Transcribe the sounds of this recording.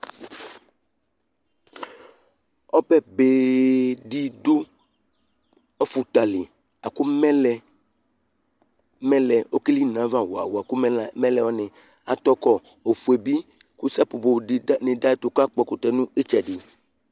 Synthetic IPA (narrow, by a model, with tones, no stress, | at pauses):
ɔ˦pɛ˦be˨ɖi˦do˦ | ɔ˦fu˨t̪a˨li˨ | a˨ku˦mɛ˦lɛ˨ | mɛ̃˦lɛ˨o˦ki˦li˦nã˨vã˦wo˨a̰˨wo˨a˨ku˦m˦˨mɛ̃˦lɛ˨wɔ˦nẽ˨ | a˨t̪ɔ˦kɔ˦ | o˨fu˨e˨bi˦ | ku˦sa˦po˨bo˨ɖi˨˦nẽ˨da˦e˦t̪o˨ka˦k͡pɔ˦ko˨t̪ɛ˨nũ˦e˦t͡ʃɛ˨ɖi˨